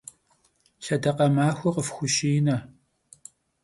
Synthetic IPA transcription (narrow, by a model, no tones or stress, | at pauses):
ʃɐdɐqɐmaːxʷɔqəfxʷʊʃijnɐ